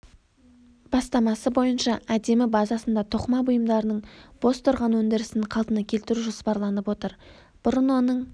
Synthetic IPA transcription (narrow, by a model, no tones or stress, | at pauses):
b̥ɑst̪ɑmɑsəbo̞jənʃɑæd̪e̞mɪbɑzɑsənd̪ɑt̪ʰoqmɑbʊjəmd̪ɑɾənəɴb̥o̞st̪ʰʊɾʁɑnwɵnd̪ɪɾɪsɪɴqʰɑlˠt̪ənɑkʲʰe̞lt̪ɪɾuʒo̞spɑɾlˠɑnəpwo̞t̪əɾ | b̥ʊɾənwo̞nəɴ